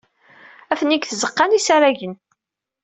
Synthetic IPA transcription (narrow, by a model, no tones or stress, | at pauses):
æfənːikθəzəqːɑnisaɾæʝən